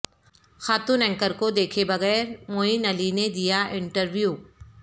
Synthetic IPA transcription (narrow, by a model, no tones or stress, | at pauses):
xaːt̪uːnɛ̃ŋkəɾkod̪eːkʰebɐɣɛːɾmoːinɐlined̪ijaʔɪ̃ɳʈəɾʋjuː